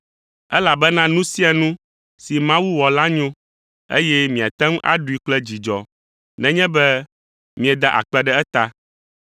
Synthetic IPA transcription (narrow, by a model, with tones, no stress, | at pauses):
ɛ˦la˨bɛ˦nã˦nũ˦si˦a˨nũ˦ | si˨mã˦wu˦wɔ˨la˦ɲõ˦ | ḛ˦jɛ˦mĩ˨a˨t̪ɛ̃˦ŋ˦ʔa̰˦ɖu˨i˨k͡plɛ˦d͡ʑi˨d͡ʒɔ˨ | nɛ̃˨ɲɛ̃˦bɛ˦ | mĩ˨ɛ˨d̪a˦ʔa̰˨k͡pɛ˦ɖɛ˦ɛ˦t̪a˦